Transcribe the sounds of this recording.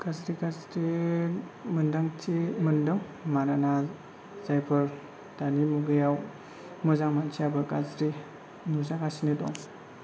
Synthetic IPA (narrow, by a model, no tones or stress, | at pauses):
ɡ̥azɾiɡasɾi | mɯndaŋtʰimɯndɯŋ | manana | zajpʰɯɾ | d̥animuɡɯjaw | mɯzaŋmant͡ʃʰiabɯkazɾi | nuzakasinidɔ̰ŋ